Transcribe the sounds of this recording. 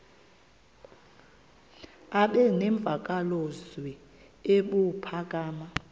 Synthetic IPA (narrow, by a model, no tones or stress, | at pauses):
aɓɛneɱb̪vʱak̬ʼalozwi | eɓupʰakʼaːma